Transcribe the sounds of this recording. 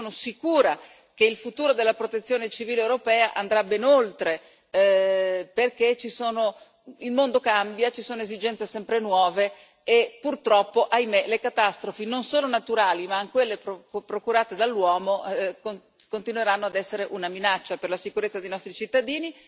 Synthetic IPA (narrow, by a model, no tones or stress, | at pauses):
oːnosikuːɾa | keilfut̪uːɾod̪elːapɾot̪et̪sːjoːnet͡ʃiviːlewɾopɛːaʔand̪ɾabenolt̪ɾe | perket͡ʃisoːno | ilmond̪okambjat͡ʃisoːnoezid͡ʒɛnt̪sesɛmpɾenwɔːve | epːurt̪ɾɔpːoʔajmelekat̪ast̪ɾofinonsoːnonat̪uɾaːlimaŋkwelːepopɾokuɾaːt̪ed̪alːwɔːmoko | kont̪inweɾanːoad̪ɛsːeɾeʔunaminat͡ʃːaperlasikuɾet̪sːad̪ejnɔst̪ɾit͡ʃit̪ːad̪iːni